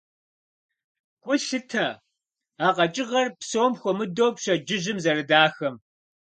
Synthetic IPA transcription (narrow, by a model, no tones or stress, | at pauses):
ɡ̥ʷʼʊɬɨtʰɐ | aːqɐt͡ʃʼɪʁɐrpsoːmxʷɔmɨdoːpɕɐd͡ʒɪʑɪmzɐɾɨdaːxɐm